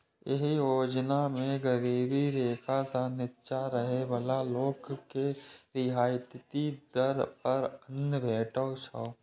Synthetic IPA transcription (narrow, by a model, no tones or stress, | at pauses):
jḛɦijoːd͡ʒnamẽɡəɾiːbiɾeːkʰasanɪtːʃaɾəɦebəlaloːkkːeɾɪɦaːjt̪t̪id̪əɾpəɾənbʱeːʈosʰaː